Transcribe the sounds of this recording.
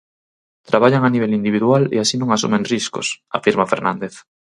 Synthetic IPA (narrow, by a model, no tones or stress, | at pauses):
t̪ɾaβaʎaŋaniβelind̪iβiðualḛasinõŋasṵmẽnrisko̰sa̰fiɾmafeɾnãnd̪eθ